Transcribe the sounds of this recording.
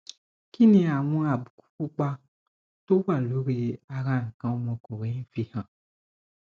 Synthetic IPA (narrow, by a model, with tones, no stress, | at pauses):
ki˦nĩ˧a˨w̃ɔ̃˧˦a˨bu˨ku̥˦ku˦k͡pa˧ | to˦wa˦˨lo˨˦ɾe˧a˨ɣã˨ŋ̩˨kã˨˦˧mɔ̃˧ko˨ɾe˨˦ĩ˦fi˦hã˨